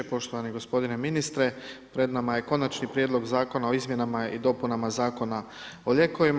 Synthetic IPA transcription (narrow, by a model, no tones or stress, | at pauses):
epo̞ʃt̪oʋaniɡo̞spo̞d̪ine̞minist̪ɾe̞pɾe̞d̪namaje̞ko̞nat͡ʃnipɾjed̪lˠo̞ɡzaːko̞nao̞izmje̞namaid̪o̞punamazaːko̞na | o̞ʎe̞ko̞ʋim